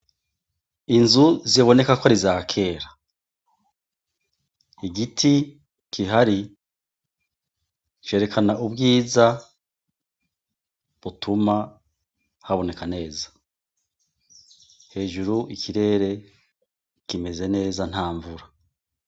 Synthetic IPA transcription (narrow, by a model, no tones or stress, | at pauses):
inzuzeβo̞ne̞kakoaɾizaːkʰe̞ːɾa | iɡitʰi | kʰiɦaɾi | t͡ʃe̞ɾe̞kʰanaʔubɡiːza | βutʰuma | haβo̞ne̞kane̞ːzḁ | he̞ːʒuɾuʔikʰiɾe̞ɾe̞ | kime̞ze̞ne̞ːzan̥haːɱvuɾa